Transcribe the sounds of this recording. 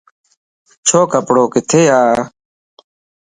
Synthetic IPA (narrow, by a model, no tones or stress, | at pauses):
t͡ʃʰoːkəpɽoːkɪt̪ʰeːjaː